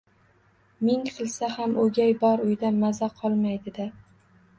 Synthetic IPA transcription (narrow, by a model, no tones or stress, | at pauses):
mɪŋqʰɨlˠsahamʔɵɡʲajbɒɾʊjd̪amazaqʰɒlˠmajd̪ɪd̪ɪ